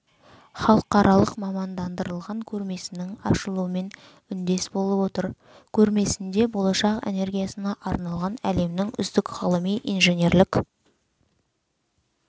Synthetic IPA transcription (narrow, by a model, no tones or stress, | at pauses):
χɑlˠəqɑɾʔɑlˠəqmɑmɑnd̪ɑnd̪əɾəlˠʁɑŋkʲʰɵɾme̞sɪnɪŋɑʃəlˠuəme̞n | ʏnd̪e̞sbo̞lˠəpwo̞t̪əɾ | kʲʰɵɾme̞sɪnd̪e̞bo̞lˠɑʃɑqḛne̞ɾɡʲijasənɑʔɑɾnɑlˠʁɑnæle̞mnɪŋʏ̰zd̪ɪkʁɑlˠəmijʔijnʒe̞nʲe̞ɾlɪk